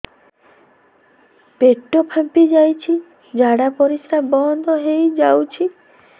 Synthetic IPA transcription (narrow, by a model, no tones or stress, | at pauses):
peʈːopʰampid͡ʒajt͡ʃʰi | d͡ʒaɽapɔɾisɾabɔnd̪ʱɔɦejd͡ʒawt͡ʃʰi